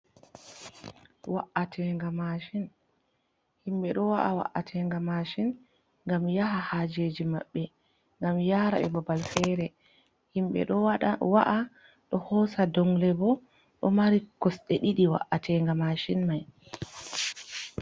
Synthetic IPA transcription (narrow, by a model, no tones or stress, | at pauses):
waʔatʰɛŋɡamaʃin | himɓɛɗɔwaʔawa̰ʔatʰɛŋɡamaʃin | ŋɡamjaɦahaːd͡ʒeːd͡ʒima̰ɓːɛ | ŋɡamjaːɾa̰bɛ̰babalfɛɾɛ | himɓɛ̰ɗɔwaʔa | ɗɔhɔːsadɔŋlɛbɔ | ɗɔmaɾikɔsɗɛɗiɗiwa̰ʔːatʰɛŋɡamaʃinmaj